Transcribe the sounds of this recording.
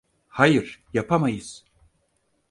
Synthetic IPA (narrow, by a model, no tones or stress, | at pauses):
hajɯɾjapʰamajɯz̥